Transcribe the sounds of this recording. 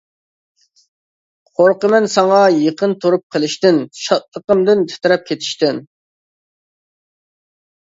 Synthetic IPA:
qʰoɾqəmɛnsɑŋɑjəqʰənt̪ʰuɾup̚qʰəlˠɪʃt̪ɪnʃɑt̪̚lˠəqəmd̪ɪnt̪ʰe̥t̪ɾɛp̚kʲʰet̪ʰɪ̥ʃt̪ɪn

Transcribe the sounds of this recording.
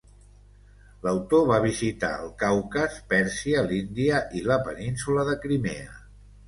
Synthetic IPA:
ləwt̪oβaβ̞izit̪a̰əlˠkawkəspɛɾsiəlind̪iəʔiləpəninsuləðəkɾimḛə̰

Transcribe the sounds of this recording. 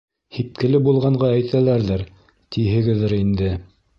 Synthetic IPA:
hip̚kɘ̆lɘbulˠʁɑɴɢɑæjt̪ʰælæɾðæɾ | t̪iɦɘ̆ɡɘ̆ðːɘɾind̪ɘ

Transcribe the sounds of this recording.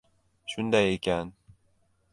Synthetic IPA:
ʃund̪æjekʲæn

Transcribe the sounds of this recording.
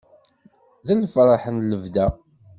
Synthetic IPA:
ðænəfɾˤɑħənləvðæ

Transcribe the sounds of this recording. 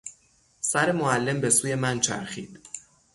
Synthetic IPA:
sæɾemoælːe̞mbe̞suːje̞mænt͡ʃʰæ̰ɾxiːd̪̥

